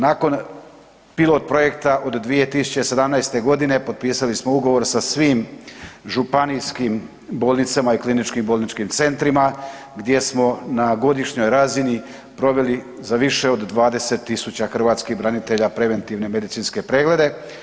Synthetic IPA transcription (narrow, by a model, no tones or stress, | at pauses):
naːko̞n | pilˠo̞t̪̚pɾo̞je̞kt̪aʔod̪d̪ʋije̞t̪isu̥t͡ɕe̞se̞d̪amnajst̪e̞ɡo̞d̪ine̞po̞d̪̚piːsalismouɡo̞ʋo̞ɾsasʋiːmʒupanijskim | bo̞ːlˠnit̪samaiklinit͡ʃkimboːlˠnit͡ʃkimt̪se̞nt̪ɾima | ɡd̪je̞smo̞naɡo̞d̪iʃɲo̞jɾazini | pɾo̞ʋe̞li | zaʋiʃe̞o̞d̪ːʋaːd̪e̞se̞t̪ːisut͡ɕaxr̩ʋaːt̪skiɣbɾanit̪e̞ʎapɾe̞ʋe̞nt̪iʋne̞me̞d̪it̪sinske̞pɾe̞ːɡle̞d̪e̞